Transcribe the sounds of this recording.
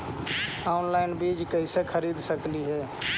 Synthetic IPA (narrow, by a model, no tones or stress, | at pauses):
aʊnlaɪnbɾid͡ʒkəɪsekʰəɾid̪ʱsəkliɦɛː